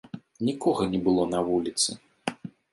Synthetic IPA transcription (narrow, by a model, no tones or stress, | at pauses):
nʲikɔɣɐnʲɛbɨlˠɔnɐvulʲit̪sɨ